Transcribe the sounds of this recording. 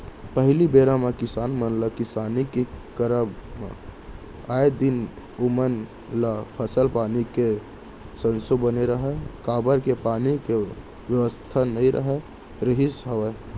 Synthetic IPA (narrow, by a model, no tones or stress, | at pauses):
pəɦlibeɾamekɪsaːnmənlakɪsaːnikekəɾəbm̰ | aːed̪ɪn | ʊmən | lapʰəsəlpaːnike | sə̃nsobəneɾəɦekaːbəɾkepaːnike | wjəʋəst̪ʰanəɦĩɾʔə̰ɦe | ɾɪɦɪsɦəʋə